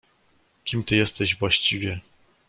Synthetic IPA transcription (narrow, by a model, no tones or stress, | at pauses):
kʲimt̪ɘjɛst̪ɛʑvwaɕt͡ɕivʲjɛ